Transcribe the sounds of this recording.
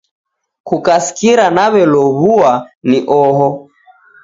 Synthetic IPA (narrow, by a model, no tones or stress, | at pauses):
kukasi̥kiɾanaβɛlɔβuaniʔɔɦɔ